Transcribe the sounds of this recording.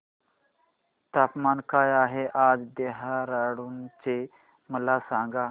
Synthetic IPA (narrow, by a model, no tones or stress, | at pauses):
t̪aːpmankajaɦeʔad͡zd̪eɦaɾaɽuːnt͡se | məlasãŋɡa